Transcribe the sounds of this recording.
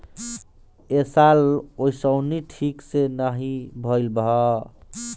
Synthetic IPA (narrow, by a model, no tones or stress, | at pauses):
esalojsʌwniʈʰiksenʌɦibʱʌjlbʱ